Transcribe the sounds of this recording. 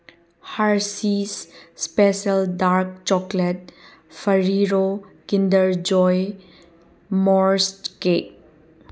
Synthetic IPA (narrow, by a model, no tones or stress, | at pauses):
haɾsisːpesəldaɾk̚t͡ʃɔklet̚ | fʰəɾiɾokindəɾd͡ʒɔj | mɔɾstkek̚